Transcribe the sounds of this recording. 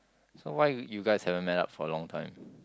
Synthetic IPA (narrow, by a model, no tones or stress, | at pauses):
sowaɪjuɡaɪshɛvəmɛta̰p̚fɔəlɔ̃ŋtʰãɪ̃m